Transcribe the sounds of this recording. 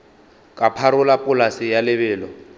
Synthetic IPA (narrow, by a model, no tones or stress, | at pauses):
kʼapʰaɾʊlapʼʊlasɪjalɪβɛːlɔ